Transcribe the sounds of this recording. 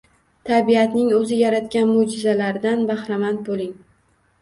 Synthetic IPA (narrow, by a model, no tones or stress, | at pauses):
t̪ʰabijat̪nɪŋɵzɪjaɾat̪̚kʲanmʊd͡ʒɪzalaɾɪd̪anbahɾamant̪̚bolɪŋ